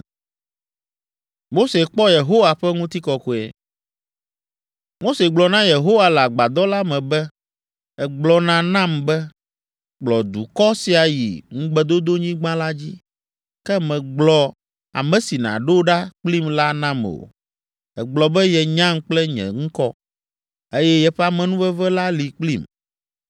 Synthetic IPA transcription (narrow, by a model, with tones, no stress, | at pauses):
mo˦se˨k͡pɔ˦je˨ɦo˦wa˨ɸɛ˦ŋũ˦t̪i˦kɔ˨ku˨ɛ̰˨ | mo˦se˨ɡ͡blɔ˨nã˦je˨ɦo˦wa˨lɛ˨a˨ɡ͡ba˨d̪ɔ˦la˦mɛ̃˨bɛ˦ | ɛ˨ɡ͡blɔ˨nã˦nã˦mbɛ˦ | ɡ͡blɔ˨d̪ṵ˨kɔ˦si˨a˨jḭ˨ŋũ˦ɡ͡bɛ˦d̪o˦d̪o˦ɲĩ˦ɡ͡bã˦la˦d͡ʑi˦ | kɛ˦mɛ̃˨ɡ͡blɔ˨ | a̰˨mɛ̃˨si˨nã̰˨ɖo˦wo˦ɖa˦k͡pli˦mla˦nã˦mo̰˨ | ɛ̰˨ɡ͡blɔ˨bɛ˦jɛ˨ɲã˦ŋk͡plɛ˦ɲɛ̰̃˨ŋũ˦kɔ˦ | e˦jɛ˦jɛ˦ɸɛ˦a˦˨mɛ̃˨nũ˦vɛ˦vɛ˦la˦li˨k͡pli˦m